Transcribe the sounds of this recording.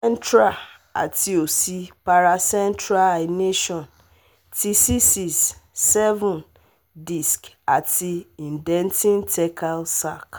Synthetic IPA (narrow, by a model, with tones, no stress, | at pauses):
ɛ˦n˦tɾa˨ | a̰˨tʰi˦o˨si˦pa˨ɾa˨sɛ̃˦ntɾa˦la˨ne˦ʃɔ̃˨n | tʰi˦si˦si˨sːɛ˦vũ˨n | di˨sk | a˨tʰi˦ĩ˨n˨dɛ̃˦ntĩ˦ntʰɛ˦kʰa˦lsa˦˨k